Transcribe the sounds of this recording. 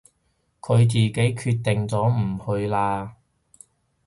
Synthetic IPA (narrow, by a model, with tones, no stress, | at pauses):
kʰɵ˨˧ɥt͡siː˨ke˨˥jkʰyː˧t̚t̪ɪ˨ŋt͡sɔː˨˥m̩˨˩hɵ˧ɥlaː˧